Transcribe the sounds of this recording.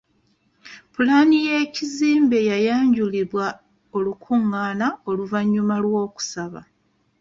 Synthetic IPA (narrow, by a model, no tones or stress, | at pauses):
pulanije̞ːciziːmbe̞jajaːɲɟuliβwa | o̞lukʰuŋːaːnao̞luvaɲːumalwo̞ːku̥saβa̰